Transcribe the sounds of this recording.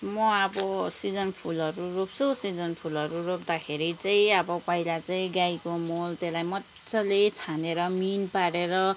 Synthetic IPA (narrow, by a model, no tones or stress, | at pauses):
mʌʌbʌsid͡zʌnpʰulʌɾurop̚t͡sʰʌsid͡zʌnpʰulʌɾuɾopd̪akʰeɾit͡saĩʌbʌpʌilat͡saĩɡajkomolt̪elajmʌ | t͡sʌlet͡sʰaneɾʌminpaɾeɾʌ